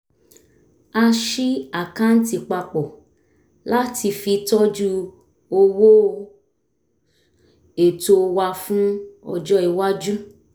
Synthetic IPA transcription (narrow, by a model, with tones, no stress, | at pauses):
a˧ʃi˦a˨kã˦n̩˦ti˧k͡pa˧k͡pɔ˨ | la˦ti˧fi˧tɔ˦d͡ʒu˦ | o˧wo˦˧ | e˨to˧wa˧fũ˦ɔ˧d͡ʒɔ˦i˨wa˦d͡ʒu˦